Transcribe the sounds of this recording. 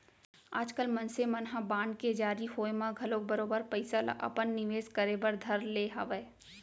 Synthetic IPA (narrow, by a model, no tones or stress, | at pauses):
a̰ːd͡ʒkəlmɐ̃nsemɐnɦãbãːɳɖked͡ʒaːɾiɦoːemãɡʱɐlõk̚bɐɾoːbəɾpɐɪsala̰ʔɐ̰pənːɪʋeːzkəɾebəɾd̪ʱɐɾleːɦɐ̰ʋeː